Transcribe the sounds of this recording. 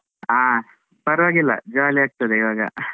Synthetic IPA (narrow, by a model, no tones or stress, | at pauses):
aː | pɐɾʋaːɡilːɐ̰d͡ʒaliaːk̚t̪ɐd̪eiʋaːɡɐ̰